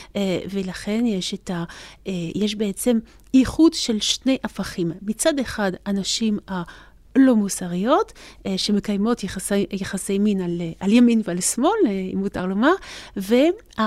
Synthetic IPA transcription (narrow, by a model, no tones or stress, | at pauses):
velaχe̞njeʃeta | jeʃ̬beet͡se̞m | iχudʃe̞lʃne̞jʔafaχimːit͡sadeχadanaʃima | lo̞musaʁijo̞tʃe̞mekajmo̞tjesjaχase̞jminalʔaljaminvealsmo̞lḭmutaʁlo̞maʁve | a